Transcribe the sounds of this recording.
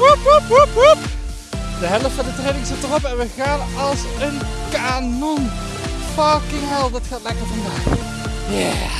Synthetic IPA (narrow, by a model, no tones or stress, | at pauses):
upupupup | dəɦɛləffɑndətrejnɪŋzɪtərɔpɛnʋəɣaːn | ɑlˠs | ən | kanɔn | fɑkɪŋɦɛlˠdɑtxaːtlɛkəɹvɑndaːk | ja